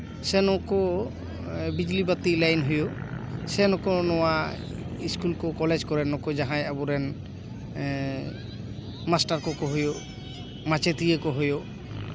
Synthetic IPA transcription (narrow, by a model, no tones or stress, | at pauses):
sɛnɔkɔ | bid͡ʒlibat̪ilajnɦujosɛnɔkɔnɔwa | iskulkɔkɔled͡ʒkɔɾɛnɔkɔd͡ʒaɦãjabɔɾɛn | masʈaɾkɔkɔɦɔjo | mat͡ʃet̪ijekɔɦɔjo